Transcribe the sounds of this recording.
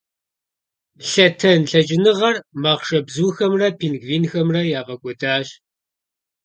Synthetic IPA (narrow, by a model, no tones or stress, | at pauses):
ɬɐtʰɐnɬɐd͡ʒʼɪnɨʁɐrmaːʁʂɐbzuːxɐmrɐpʰiːnɡviːnxɐmrɐjaːvɐkʷʼɔdaːɕ